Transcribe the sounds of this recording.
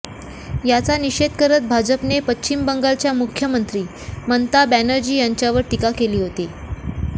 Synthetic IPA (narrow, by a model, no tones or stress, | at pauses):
jat͡saniɕed̪kəɾət̪̚bʱad͡ʑəpnepət͡ɕːt͡ɕimbəŋɡalt͡ɕjamukʰjəmənt̪ɾiː | mənt̪abænəɾd͡ʑiːjaɲt͡ɕjaʋəɾʈikakeliːɦot̪i